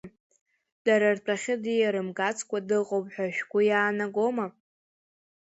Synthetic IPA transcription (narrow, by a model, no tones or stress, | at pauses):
d̥aɾarpʼaχʲɪdijaɾɨmɡat͡sʰkʷadɨqʼopʼħʷᶣaʃᶣkʷʊjaːnaɡo̞ma